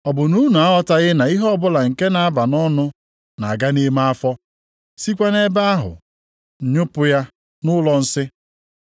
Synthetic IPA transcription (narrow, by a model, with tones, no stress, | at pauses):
ɔ˨bʊ˨nu˦nu˨a˦ɔ˦ta˨ɣɪ˦na˨i˦ɦɔ˦bʊ˦la˨ŋ̩˨ke˦na˨a˦ba˨nɔ˦nʊ˦ | na˨a˨ɡa˦ne˦ma˦a˦fɔ˦ | si˦kʷa˦ne˦ba˦a˦ɦʊ̰˨ | ɲʊ˦pʊ˦ja˦ | nʊ˦lɔ˨n̩˦sɪ˦